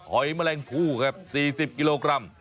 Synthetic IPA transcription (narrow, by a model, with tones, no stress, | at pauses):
hɔ˨˩˦jma˧lɛː˧ŋp̪ʰuː˧˩kʰa˦˥p̚siː˨˩si˨˩p̚ki˧loː˧kɾa˧˩m